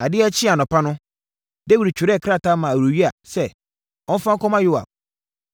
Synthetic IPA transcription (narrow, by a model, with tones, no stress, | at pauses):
a˨dɪ˦ɛ˦t͡ɕʰɪ˦a˨nɔ̃˨pʰa˦nʊ̃˦ | de˦wu˨ɾi˨t͡ɕʰᶣu˨ɾɛ˦˨kʰɾa˦˨ta˦mã˨wu˨ɥi˦a˨sɛ˨ | ɔ̃˦n˦fã˦ŋ˦kʰɔ̃˦mã˦jʊ˦wa̰˨